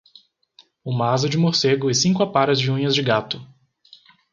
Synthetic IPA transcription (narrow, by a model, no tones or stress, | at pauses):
ũmazʊd͡ʒɪmoɾseɡʊɛsĩŋkʊapaɾɐzd͡ʒɪũɲɐzd͡ʒɪɡat̪ʊ